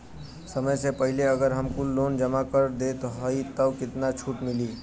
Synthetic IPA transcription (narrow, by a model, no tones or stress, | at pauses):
səməjsepəɦileəɡəɾɦəmkulːond͡ʒəmakəɾd̪et̪ɦəit̪əkɪt̪nat͡ʃʰuʈmɪli